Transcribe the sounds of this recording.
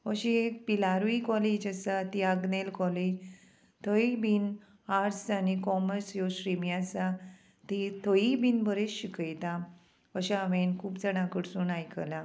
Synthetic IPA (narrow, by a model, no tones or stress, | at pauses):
əɕiekpilaɾʋikɔled͡ʑəsat̪iaɡnelkɔled͡ʑ | t̪ʰəibin | aɾsanikɔməɾsjoɕɾimjasa | t̪it̪ʰəibinbəɾeɕikəjt̪a | əɕaʋenkʰuːpd͡zəɽ̃ãkəɽsuːnajkəla